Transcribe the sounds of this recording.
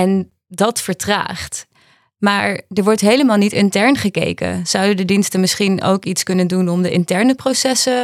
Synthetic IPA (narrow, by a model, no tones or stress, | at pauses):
ɛn | dɑtfəɹtra̰ːχt | maːɹdəɹʋɔɹtɦejləmaːlˠnitɪntɛɹnχəkḛjkə̰z̥ʌwdəndədinstəmɪsχino̰wkitskɵnəndunɔmdəʔɪntɛɹnəprosɛsə